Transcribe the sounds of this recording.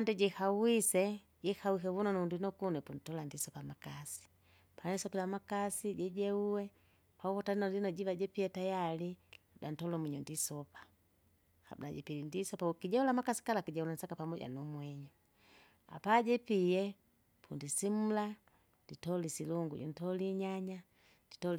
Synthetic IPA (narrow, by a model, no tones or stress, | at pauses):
andɛɟɛhawisɛ | ɟɛhawikɛvunɔnundunɔkunɛpun̩tɔlandisɔpamakasi̥ | panisɔkilamakasiɟɛɟɛuwɛ | pauvɔtalinɔlinɔɟivaɟɛpiɛtajaliudan̩tɔlɔmwiɲɔndisɔpḁ | ha̰bṵdaɟɛ̰pilindisɔpaukiɟɛulamakasi̥kalakiɟɛulan̩sakapamɔɟa̰numwɛɲu | a̰paɟɛpiɛ | pʰundisim̩la | nditɔlisiluŋɡṵɟṵntɔliɲaɲa | ditɔl